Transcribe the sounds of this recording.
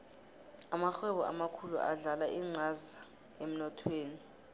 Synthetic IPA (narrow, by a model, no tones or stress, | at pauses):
amaxɛɓɔʔa̰makʰulṵʔa̰ɮalaʔiŋ͡ǀʱaza | em̩nɔtʰweːni